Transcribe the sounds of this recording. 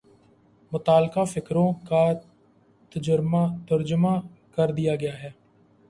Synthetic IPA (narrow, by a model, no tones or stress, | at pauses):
mʊt̪aːlkaːfɪkɾõːkaː | t̪əd͡ʒəɾmat̪əɾd͡ʒəmaːkəɾd̪ɪjaːɡɐjaːɦɛː